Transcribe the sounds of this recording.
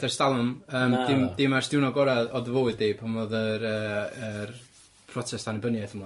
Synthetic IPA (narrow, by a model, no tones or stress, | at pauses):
dɛrstalˠʊməːmdɪmd̥ɪmarsd̥ɪwnɔɡɔɾaðɔdəvowɨddeːpʰamvoðəɾəːr | pʰrɔsʰɛstʰanibənjaθəmɔ